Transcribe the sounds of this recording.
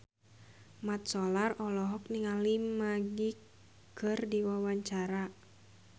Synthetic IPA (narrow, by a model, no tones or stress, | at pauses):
mat̪̚sɔlarɔlɔɦɔk̚niŋalimaɡi | kɨrdiwawaɲt͡ʃaɾa